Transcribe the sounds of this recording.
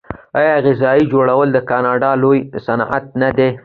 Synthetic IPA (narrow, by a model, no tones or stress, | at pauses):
ɑjɑɣɪzɑid͡ʒoɽawəld̪əkɑnɑɖɑlojsanʔa̰t̪̚nad̪e